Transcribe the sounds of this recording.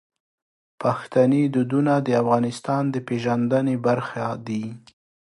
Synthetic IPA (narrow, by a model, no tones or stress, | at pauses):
paxt̪aned̪ud̪unad̪əafɣɑnɪst̪ɑnd̪əpeʒand̪ənebaɾxad̪i